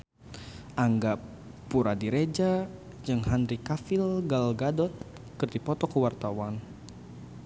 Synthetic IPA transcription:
ʔaŋɡapː | uɾadiɾed͡ʒa | d͡ʒɨŋhandɾikafilɡalɡadɔt̪̚ | kɨrdipɔt̪ɔkəwart̪awan

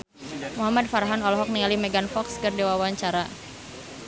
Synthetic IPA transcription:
muɦamad̚faɾaɦanɔlɔɦɔk̚niŋalimɛɡanfɔkskɨrdewawaɲt͡ʃaɾa

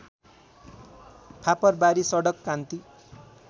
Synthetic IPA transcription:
pʰapʌrbaɾisʌɽʌkːant̪i

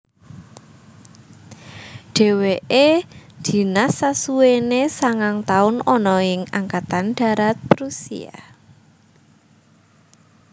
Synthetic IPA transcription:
ɖ̥e̤weʔed̪̥i̤nasːasuenesaŋaŋt̪aʊnɔnɔɪŋaŋkat̪anɖ̥a̤ɾat̪̚pɾusḭa̰

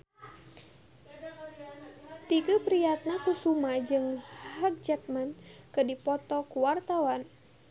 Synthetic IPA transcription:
t̪ikupɾijat̪̚nakusumad͡ʒɨŋhak̚d͡ʒat̪̚mankɨdipɔt̪ɔkuwart̪awan

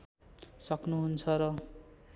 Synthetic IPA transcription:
sʌknuɦunt͡sʰʌɾʌ

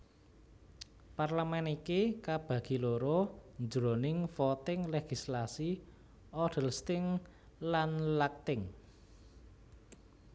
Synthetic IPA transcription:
parləmɛnikikab̥ä̤ɡ̥i̤loɾond͡ʒɾonɪŋfɔt̪ɪŋleɡ̥i̤slasi | ʔɔd̥əlst̪ɪŋ | lanlak̚t̪ɪŋ

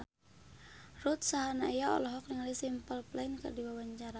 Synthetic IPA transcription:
rut̪̚saɦanaijaɔ̰lɔɦɔk̚niŋalisimpəlplainkə̰rdiwawaɲt͡ʃaɾa

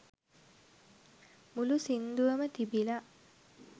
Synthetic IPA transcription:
mulusind̪uʋəmət̪ibila

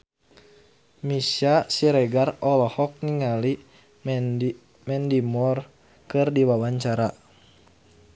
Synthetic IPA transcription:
misasiɾɛɡarɔlɔhɔk̚niŋali | mɛndimɔr | kɨrdiwawaɲt͡ʃaɾa

